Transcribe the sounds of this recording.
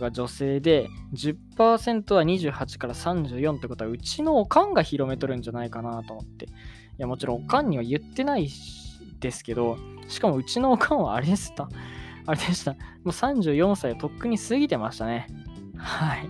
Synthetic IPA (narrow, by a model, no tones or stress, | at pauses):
ɡad͡ʑo̞se̞ːd̪e̞d͡ʑɨpːaːsẽ̞nt̪o̞β̞aɲ̟iʑɨːhat͡ɕi̥kaɾasãɲ̟d͡ʑɨ̟ːjõ̞nt̪oeikot̪oaɯ̟t͡ɕino̞ːkãŋɡaçiɾo̞me̞t̪o̞ɾɯ̟̃ɲ̟d͡ʑanaikanat̪o̞mo̞t̪ːe̞ | jamo̞t͡ɕiɾõokãɲ̟ːiβajɯ̟t̪ːe̞nai | d̪̥e̞sɨ̥ke̞d̪o̞ | ɕi̥kamo̞ɯ̟t͡ɕino̞ːkʰãɰ̃βa̰ːɾe̞d̪esɨ̥t̪ːaaɾed̪e̞ɕi̥t̪amo̞ːsãɲ̟d͡ʑɨːjõ̞ɰ̃saiβat̪o̞kːɯ̟ɲ̟isɨɡʲit̪e̞maɕi̥t̪ane̞hai